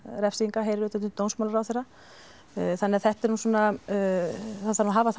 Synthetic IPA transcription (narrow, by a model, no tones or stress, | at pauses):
ɾɛfsiŋkaɦejɾɪɾʏt̪at̪ʏt̪ownsmawlaɾawθejra | θanːɛaθɛht̪ɛɾnuːsɔːna | θaanɦaːvaθ